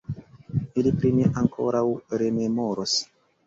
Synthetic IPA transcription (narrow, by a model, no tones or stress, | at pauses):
ilipɾineʔaŋkʰo̞ɾawɾe̞me̞mo̞ɾos